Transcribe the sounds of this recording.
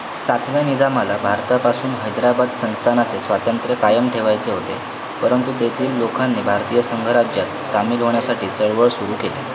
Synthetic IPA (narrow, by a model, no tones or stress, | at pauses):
sat̪ʰʋjanid͡zamalabʱaɾt̪apasuːnɦəjd̪ɾabad̪sə̃w̃st̪ʰanat͡sesʋat̪ənt̪ɾəkajəmʈʰeʋajt͡seɦot̪ḛ | pəɾənt̪ut̪et̪ʰiːlːokʰanːiːbʱaɾt̪iːjəsəŋɡʱəɾad͡ʑjat̪samiːlɦoɳ̃jasaʈʰiːt͡səɭʋəɭsuɾuːkelḛ